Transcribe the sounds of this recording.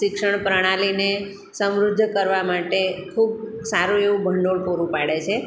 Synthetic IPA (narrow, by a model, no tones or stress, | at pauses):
ɪkʂəɳ̃pɾəɽ̃aline | səmɾud̪ʱːkəɾʋamaʈekʰubsaɾũeʋũbʱəɳɖoɭpoɾũpaɽet͡ʃʰe